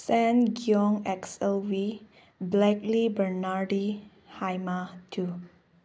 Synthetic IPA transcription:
sɛ̃nɡiɔ̃ŋɛksɛlwi | blɛklibənaɹdi | hajmatʰu

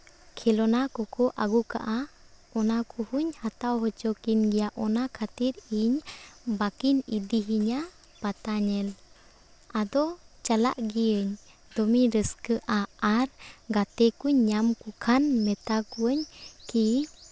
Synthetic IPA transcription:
kʰɛlɔnakɔkʰɔʔaɡuka̰ʔa | ɔnakʰuhuɲhat̪awɦɔt͡ʃɔkinɡijaʔɔnakʰat̪iɾiɲbakinid̪iɦiɲa | pat̪aɲɛl | ad̪ɔt͡ʃala̰ʔɡiəɲ | d̪ɔmiɾəskəʔaaɾɡat̪ɛkuɲːamkukʰanmɛt̪akuəɲki

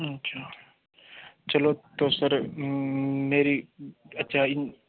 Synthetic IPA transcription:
ət͡ʃʰaː | t͡ʃəloːt̪osəɾ | meːɾiːɐt͡ʃʰaːɪ

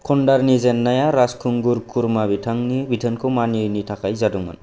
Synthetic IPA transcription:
kʰɔɳɖaɾnizɛnːajaɾaskʰuŋɡuɾkʰuɾmabitʰaŋnibitʰənkʰomaniɯjnitʰakajzaduŋma̰n

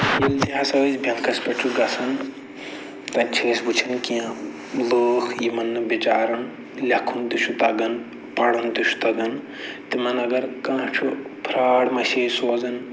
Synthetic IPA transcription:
jild̪iɦasɐʋɐzbʱjɐnkʰɐspɐʈʰuɡɐsʰɐn | t̪ɐt͡ʃʰiːsbut͡ʃʰinkiã | ləːkʰjimɐnːɨbit͡ʃaːɾɐn | lʲɐkʰund̪uʃʰut̪ɐɡɐn | pɐɽɐnd̪uʃu̥t̪ɐɡɐn | t̪ɨmɐnɐɡɐɾkãːt͡ʃʰupʰɾaːɽmɐʃeːsoːzɐn

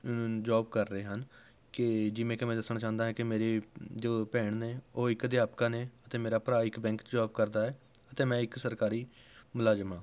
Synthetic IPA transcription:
d͡ʒaːb̚kəɾːəeːɦən | kɪd͡ʒɪʋẽːkemɛ̃ːd̪əsnãːt͡ʃãːnd̪aːɦɛ̃ːkɪmeːɾeːd͡ʒ̪oːpɛːɳneːoːɪkd̪ɪjaːpkãːneːət̪eːmeːɾaːpɾaːɪkbɛ̃ːŋkd͡ʒaːb̚kəɾd̪aːɛːət̪eːmɛ̃ːɪksəɾkaːɾiːmʊlaːd͡ʒəmãː

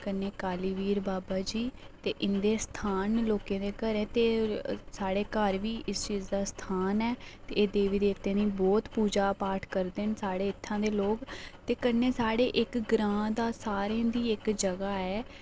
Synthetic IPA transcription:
kənːeːkaːliːʋiːɾbaːbaːd͡ʒiːt̪eːʔɪnd̪eːst̪ʰaːnloːkẽːd̪eːkəɾẽːt̪eːsaːɽeːkəɾʋiːʔɪst͡ʃiːzd̪aːst̪ʰaːnɛːt̪eːeːd̪eːʋiːd̪eːt̪ẽːnĩːbɔːt̪puːd͡ʒaːpaːʈʰkəɾd̪ensaːɽeːɪt̪ʰːãːd̪eːloːkt̪eːkənːeːsaːɽeːʔɪkɡɾãːd̪aːsaːɾẽːd̪iːɪkd͡ʒəɡaːɛː

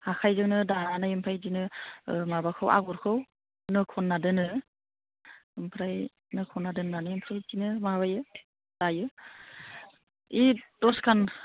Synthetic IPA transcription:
hakʰajzɯŋnɯdaanajɯmpʰajdinɯmabakʰɯwʔa̰ɡuɾkʰɯw | nɯkʰɔnːadɯnɯ | ɯmpʰɾaj | nɯkʰɔnːadɯnːanɯjimpʰɾɯtinɯmawajɯ | d̥ajɯ | idɔskʰan

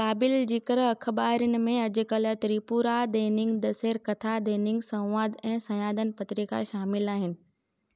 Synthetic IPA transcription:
kaːbɪld͡ʑiːkəɾɐk̆ʰbaːɦɪɾənɪ̆mẽɐd͡ʑʊ̆kɐlət̪ɾiːpuːɾad̪eːnɪ̃ŋɡd̪ɐseːɾkɐt̪ʰad̪eːnɪ̃ŋɡsɐ̃w̃ʋaːd̪ɛ̃ːsɐ̃jaːd̪ən̆pɐt̪ɾika̰ʃaːmɪlaːɦɪnɪ̆

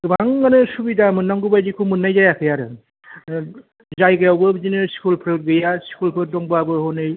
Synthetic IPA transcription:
ɡɯbaŋːanɯsubidamɯnːaŋɡubajdikʰumɯnːajzajakʰɯjaɾɯ̰ | zajɡɯjawbɯzinɯɾskʰulpʰɯɡɯjaskʰulpʰɯɾdɔŋbabɯɦɔnɯj

